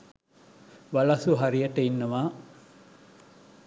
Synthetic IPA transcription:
ʋɐlɐsuɦaɾijɐʈəinːɐʋaː

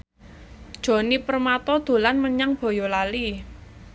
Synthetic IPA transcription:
d̥ʒ̥o̤nipərmat̪ɔd̪̥o̤lanməɲaŋb̥ɔ̤jɔlali

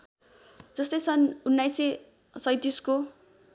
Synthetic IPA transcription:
d͡zʌst̪ʌjsʌnunːajse | t͡sʌjt̪isko

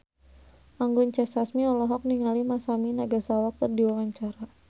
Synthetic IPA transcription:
ʔaŋɡʊɲt͡ʃɛsasmiɔlɔɦɔk̚niŋalimasaminaɡasawak̚t̪ərdiwawaɲt͡ʃaɾa

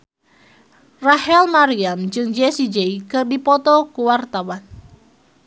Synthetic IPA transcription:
rahɛlmaɾiamd͡ʒɨŋd͡ʒɛsid͡ʒeikɨrdipɔt̪ɔkuwart̪awan

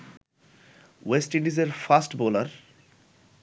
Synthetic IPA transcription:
wesʈĩɳɖizeɾfasʈboləɾ

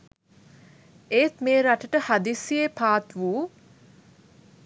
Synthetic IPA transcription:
eːt̪meːɾaʈəʈəhad̪isiepaːt̪ʋuː

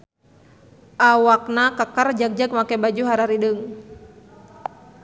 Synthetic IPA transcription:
ʔawak̚nakakərd͡ʒak̚d͡ʒak̚makɛbad͡ʒuɦaɾaɾidəŋ

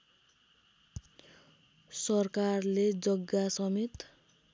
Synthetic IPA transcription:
sʌrkarled͡zʌɡːasʌmit̪

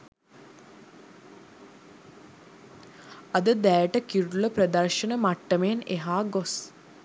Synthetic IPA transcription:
ad̪əd̪æːʈəkiɾuləprəd̪ɐrʃənəmaʈːəmeneɦaːɡos

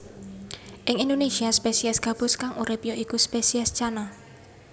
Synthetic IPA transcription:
ʔɪŋindonesiaspesiɛsɡ̥a̤b̥ʊ̤skaŋʔuɾɪpjɔʔikuspesiast͡ʃana

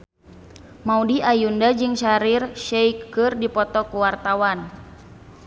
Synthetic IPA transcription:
maudiʔajundad͡ʒɨŋʃaɾirʃɛjkːɨrdipɔt̪ɔkuwart̪awan

